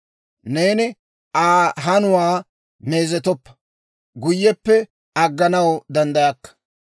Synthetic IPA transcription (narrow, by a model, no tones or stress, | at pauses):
ne̞ːnɪ | ʔaːɦɐnʊwaː | me̞ːzɛt̪̬ɔpːɐ̥ | ɡʊjːɛpːɛ | ɐɡːɐnɐwd̪ɐnd̪ɐjɐkːɐ̥